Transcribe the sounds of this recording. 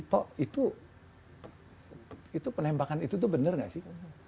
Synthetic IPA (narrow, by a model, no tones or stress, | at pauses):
t̪ɔʔit̪u | it̪upənɛmbakanit̪ut̪̬ubənərŋa̰ʔsɪh